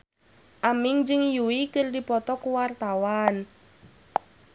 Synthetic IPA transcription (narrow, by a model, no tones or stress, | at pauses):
ʔamɪŋd͡ʒɪŋjuwikərdipɔt̪ɔkuwart̪awan